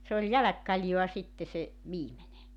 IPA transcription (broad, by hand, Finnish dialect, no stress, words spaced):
se ol jælækːɑljoɑ sitːe se ʋiːmene